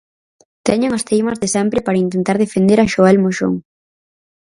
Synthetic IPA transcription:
t̪ɛɲʊŋɐst̪ejmɐzðesɛmpɾɪpaɾɐint̪ent̪aɾð̞efend̪eɾɐʃoɛlmoʃo̰ŋ

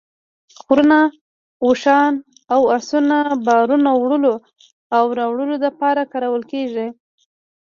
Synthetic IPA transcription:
xɾəna | uʃɑn | awasunabɑɾunawɽəlo | awɾɑwɽəlod̪əpɑɾakɑɾawəlkeʐi

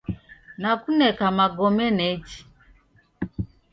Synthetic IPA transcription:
nakunɛkamaɡɔmɛnɛt͡ʃi̥

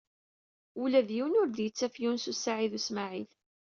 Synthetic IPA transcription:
ulæðjiwnʊɾðjət͡sːæfjunsusːaʕiðusmaʕil

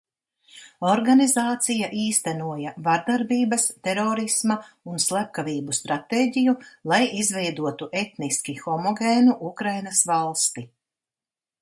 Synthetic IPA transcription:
ɔɾɡanizaːt̪sijaʔiːst̪ænuɔjavaɾd̪aɾbiːbɐst̪ɛɾɔːɾismɐ | unslˠap̚kaviːbust̪ɾat̪eːɟijulˠajʔizvɛjd̪uɔt̪uʔet̪niskʲixɔmɔɡʲeːnuʔukɾajnasvalˠst̪i

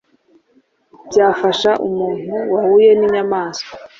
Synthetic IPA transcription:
bjaːfaʃaʔumuːn̥huwahuje̞niɲamaːsko̥

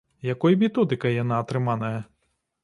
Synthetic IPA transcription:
jɐkɔjmʲit̪ɔd̪ɪkɐjɐnɑt̪ɾɪmɑnɐjɐ

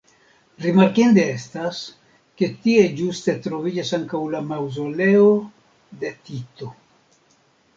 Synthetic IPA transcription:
ɾimaɾkind̪e̞estas | ke̞t̪ie̞d͡ʒuste̞t̪ɾo̞vid͡ʒasaŋkawlamawzo̞le̞o̞ | d̪e̞t̪it̪o̞

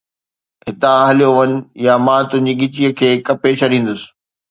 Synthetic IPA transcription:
ɦɪt̪ãɦəlijoʋɐɲʊ̆jamãːt̪ʊ̃ɦɪ̃ɲd͡ʑiɡɪt͡ɕijəkʰeːkɐpet͡ɕʰɐɗĩːn̆d̪ʊsɪ̥

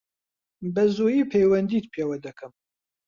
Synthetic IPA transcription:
bɐzujiːpʰejwɐnd̪iːt̪pʰeːwɐd̪ɐkʰɨm

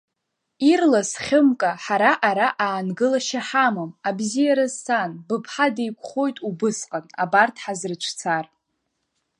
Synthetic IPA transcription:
irlasχʲɪmkʼaħaɾaʔaɾaʔaːnɡɨlaʃaħamɨmabzijaɾazsanbɨpʰħadejkʷʰʼχo̞jtʼubɨsqʼana̰bartʰħazrɨt͡ʃʷʰt͡sʰar

